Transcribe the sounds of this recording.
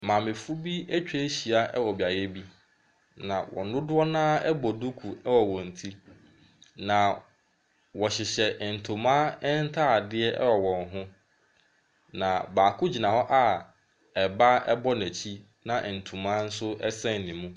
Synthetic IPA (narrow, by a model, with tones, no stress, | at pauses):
mãː˨mɪ̃˨fʊ˦bi˦æ˦t͡ɕᶣɛ˦ɕi˨a˦ʔɛ˦wɔ˨bi˨a˨jɛ˦bi˦ | nã˨wɔ̰˨nʊ̃˦dʊ˦ɔ˦nãː˦ɛ˦bɔ˨du˦kʰu˨ɛ˦wɔ˨wɔ̃˨n̩˨tʰi˦ | nã˨ | wɔ˨ɕɪ˨ɕɛ˨n̩˨tʰʊ̃˨mã˦ɛ˦n̩˦tʰa˦˨dɪ˦ɛ˦ʔɛ˦wɔ˨wɔ̃˨nɦʊ̃˦ | nã˨baː˨kʰʊ˦d͡ʑi˨nã˨hɔ˦ʔa˨ | ɛ˨ba˦ɛ˦bɔ˦næ˨t͡ɕʰi˦ | nã˨ʔn̩˨tʰũ˨mãː˦n̩˦sʊ˦ɛ˦sɛ̃˦n̩˨nĩ˨mũ˦